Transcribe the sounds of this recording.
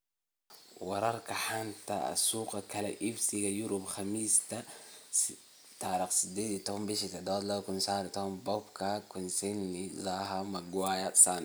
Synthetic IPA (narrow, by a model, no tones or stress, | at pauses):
wɑɾɑɾkaħant̪a̰a̰suqakalaʔifsiɡajuɾubxamiːst̪a | t̪aɾaksid̪edit̪ombiʃit̪ad̪oːd̪lokunsaːɾit̪ombobkakunsinːizaɦamaɡwajasan